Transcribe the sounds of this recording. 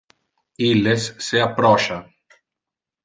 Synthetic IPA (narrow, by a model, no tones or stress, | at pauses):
ilːesːeapːɾɔʃa